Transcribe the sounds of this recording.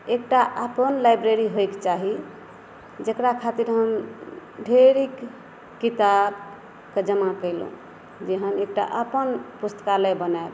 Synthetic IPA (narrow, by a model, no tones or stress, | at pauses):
ek̚ʈaʔəpənlajbɾeɾiɦojkt͡ʃaɦi | d͡ʒəkɾakʰat̪iɾɦəmɖʱeɾikː | it̪ab | ked͡ʒəmakəɪlṵ̃ | d͡ʒeɦənek̚ʈa̰ʔəpənpust̪ə̥kaləjbənaeb